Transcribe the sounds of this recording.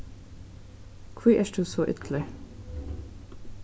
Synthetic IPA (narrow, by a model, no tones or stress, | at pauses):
kʰwiːʔæʃd̪ʉːsoːʔʏt̪ʰl̩ɪ